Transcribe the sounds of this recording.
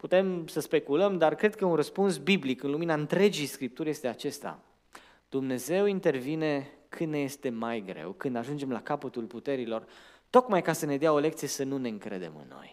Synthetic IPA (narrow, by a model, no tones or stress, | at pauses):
put̪e̞msəspe̞kuləmd̪arkɾe̞d̪̚kəunrəspunsbiblikɨnluminaɨnt̪ɾe̞d͡ʒijskɾip̚t̪urʲje̞st̪e̞at͡ʃe̞st̪a̰ | d̪̥umne̞ze̞wint̪e̞rvine̞kʰɨnneje̞st̪e̞majɡɾe̞̰wkɨnd̪aʒund͡ʒe̞mla̰kapət̪ulput̪e̞ɾilo̞rt̪o̞kmajkasəne̞d̪eao̞le̞k̚t̪sije̞sənune̞ɨŋkɾe̞̰d̪e̞̰mɨ̰nːo̞̰j